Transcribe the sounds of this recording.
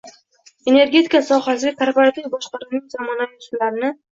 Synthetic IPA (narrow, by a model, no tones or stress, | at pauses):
e̞ne̞ɾɡʲe̞t̪ʰikasɒχasɪɡʲapʰaɾbaɾat̪ʰlɪjbɒʃqɑɾuwnɪŋzɒmɒnajɒsʊmlaɾɪnɪ